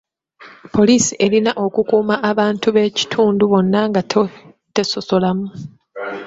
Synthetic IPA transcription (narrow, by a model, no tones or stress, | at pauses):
po̞liːsiʔe̞linaʔo̞kukuːmaʔːβaːntuβe̞ci̥tʰuːnduβo̞nːaŋɡa | te̞so̞so̞lamu